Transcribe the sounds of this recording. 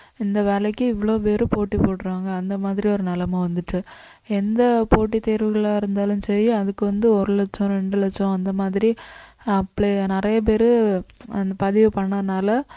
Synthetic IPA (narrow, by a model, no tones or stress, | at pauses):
ɪnd̪ɐʋeːlɛkːɯɪʋːɐɭoːpeːɾɯpoːʈːipoːʈːɯɾaːŋɡɐːnd̪ɐmaːðɪɾiɔɾɯnɐlɐmɐ̃ʋɐnd̪ɯʈːɯ | ɛnd̪ɐpoːʈ̬ːit̪ːeːɾʋɯɣɐɭaːɪɾɯnd̪aːlɯ̃msɛɾiɐðɯkːɯʋɐnd̪ɯɔɾɯlɛt͡ʃːɔ̃ɾɛɳɖɯlɛt͡ʃːɔ̃ɐnd̪ɐmaːðɪɾi | ɐpːɐɭenɪɾɐjɐp̬eːɾɯɐnd̪ɐpɐðɪʋɯpɐɳːɐnːaːlɐ